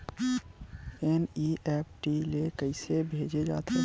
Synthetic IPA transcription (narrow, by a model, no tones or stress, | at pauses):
ɛniʔɛːp̚ʈilekəɪsebʱeːd͡ʒed͡ʒa̰ːt̪ʰe